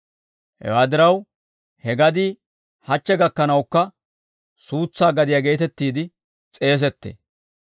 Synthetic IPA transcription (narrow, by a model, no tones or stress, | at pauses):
hɛ̰waːd̪ɪɾɐw | hɛɡɐd̪iː | hɐt͡ʃːɛɡɐkːɐnɐwkːɐ | suːt͡sːaːɡɐd̪ɪjaɡe̞ːt̪ɛt̪ːiːd̪ɪ | t͡sʼe̞ːs̬ɛt̪ːḛː